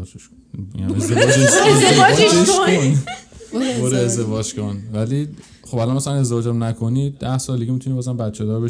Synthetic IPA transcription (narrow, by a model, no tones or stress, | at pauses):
d͡ʒeʃ | ḭnæmezd̪ed͡ʒeed̪eɒd͡ʒeɾeʃkoon | boɾeezd̪evɒːd͡ʒkʰonvæli | χobælɒnmæsælæne̞zd̪evɒːd͡ʒæmnækʰo̞niːd̪æhsɒːld̪iɡimit̪unibɒːzæmbæt̪t͡ʃʰed̪ɒːɾbe